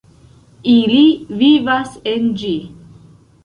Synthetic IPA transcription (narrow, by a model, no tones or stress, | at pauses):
ilivivasend͡ʒi